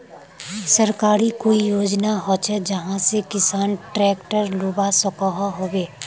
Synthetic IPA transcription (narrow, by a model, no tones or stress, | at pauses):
sɐɾkaːɾikoːijoːd͡ʒnaɦot͡ʃɛd͡ʒɐɦãsekɪsaːnʈɾɛːkʈəɾloːbasɔkɔɦaɦoːbeː